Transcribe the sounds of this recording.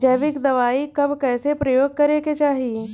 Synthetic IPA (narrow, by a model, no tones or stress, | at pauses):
d͡ʒɐːʋɪkd̪ɐʋaːikɐbkɛːsepɾɐjoːɡ̚kɐɾeːket͡ʃaːɦieː